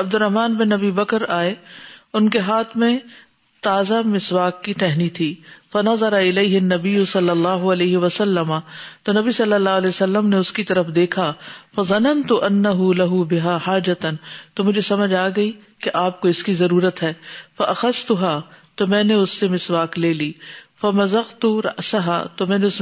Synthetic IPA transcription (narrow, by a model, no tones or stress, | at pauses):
ɐb̚d̪ʊɾːɐɦmaːnbɪnɐbiːbɐkəɾaːeʊnkeɦaːt̪ʰmẽ | t̪aːzamɪswaːkːiʈɛɦnit̪ʰiːfɐnɐzɑɾɐɪleːɦɪɐnːɐbɪjːʊsɐlːɐlːaːɦʊɐleːɦɪʋɐsɐlːɐmat̪onɐbisɐlːɐlːaːɦlɛːsɐlːəmneʊskit̪ɐɾəfd̪eːkʰafɐzˤɐnɐnt̪ʊʔɐnːɐɦʊlɐɦʊbɪɦaːħaːd͡ʒɐt̪ɐnt̪oːmʊd͡ʒʱesɐməd͡ʒʱaːɡɐi | keʔaːp̚koɪskizɐɾuːɾət̪ɦɛːfɐʔɐxɐzt̪ʊɦaːt̪omɛ̃ːneʊsːemɪswaːkleːliːfɐmɐzɐɣt̪uɾɐ̰ʔsɐɦa̰ːt̪omɛ̃ːneʊs